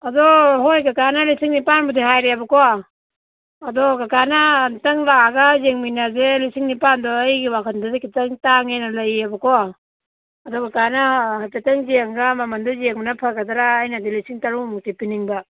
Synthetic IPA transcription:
adɔɦojkakanalisiŋnipanbudihajɾeabakɔa | dɔkakanaːntɐŋlaaɡazeŋminazelisiŋnipandɔːjɡiwakʰandɔdikitɐŋtaŋenalajabakɔː | dɔkakanahapetɐŋziaŋɡamamandɔzeŋnapʰakadaɾaːjnadilisiŋtaɾumuk̚tipiniŋba

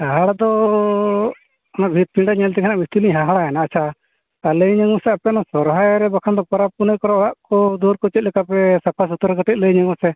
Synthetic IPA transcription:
aɦaɽad̪ɔ | ɔnabʱit̪̚pʰiɖaɲɛlt̪ɛkʰɛnaʔbist̪iliɲɦaɦaɽaɛnaːt͡ʃʰa | t̪aləjɲəŋusɛapɛnɔsɔɾɦajɾɛbakʰand̪ɔpaɾapunəjkɔɾɔɔɽaʔkɔd̪uɾkɔt͡ʃɛt̪̚lɛkapɛsapʰas̬ut̪ɔɾɛkəʈɛt̪̚ˀləjɲaŋɔsɛ

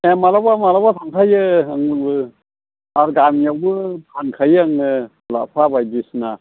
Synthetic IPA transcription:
ɛmalabamalabat̪ʰaŋkʰajɯaŋɯbɯ | aɾɡamjawbɯpʰankʰajɯaŋɯ | la̰pʰabajbisna

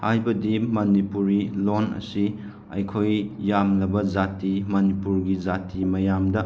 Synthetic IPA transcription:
hajbɐdimɐnipuɾilonɐ̰si | ɐ̰jkʰojːamlɐbɐd͡ʒatimɐnipuɾɡid͡ʒatimɐjamdɐ

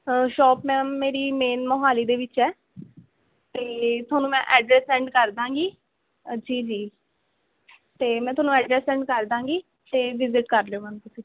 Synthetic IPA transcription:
ʃɔːpmɛ̃ːeːɾiːmeːnmɔɦaːliːd̪eːʋɪt͡ʃɛː | t̪eːt̪ʰʊwaːnũːmɛ̃ːʔɛːɖɾɛːsɛ̃ːɳɖkəɾd̪ãːŋɡiː | d͡ʒiːd͡ʒiː | t̪eːmɛ̃ːt̪ʰʊaːnũːɛːɖɾɛːsɛ̃ːɳɖkəɾd̪ãːɡiː | t̪eːʋɪzɪʈkəɾleoːɦãːnt̪ʊsĩː

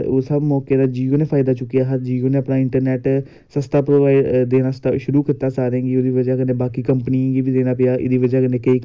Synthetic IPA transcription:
osəbmɔːkeːd̪aːd͡ʒiːoːneːpʰaːɪd̪aːt͡ʃʊkːijaːɦəd͡ʒiːoːneːəpnaːɪɳʈəɾnɛːʈ | səst̪aːpɾoːʋaːɪd̪eːnaːst̪aʃʊɾuːkit̪aːsaːɾẽːɡiːoːd̪iːʋəd͡ʒaːkənẽːbaːkiːkəmpənĩɡiːbiːd̪eːnãːpɪjaːʔɪ̰d̪iːʋəd͡ʒaːkəneːkəiː

